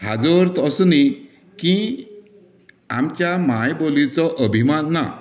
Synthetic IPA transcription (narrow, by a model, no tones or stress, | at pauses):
ɦad͡zɔɾt̪ɔsuni | kĩ | amt͡ɕjamajbolit͡sɔʔəbʱimanːa̰